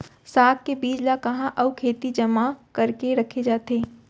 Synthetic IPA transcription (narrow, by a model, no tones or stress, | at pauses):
saːk̚kebiːd͡ʒlakɐɦãʔɐukʰeːt̪id͡ʒɐmakɐɾkeɾɐkʰed͡ʒaːt̪eː